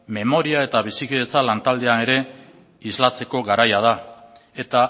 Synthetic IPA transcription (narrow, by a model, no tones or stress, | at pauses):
me̞mo̞ɾiae̞t̪aβ̞isikiðe̞t͡salant̪ald̪e̞ane̞ɾe̞ | izlat͡se̞ko̞ɣaɾajað̞a | e̞t̪a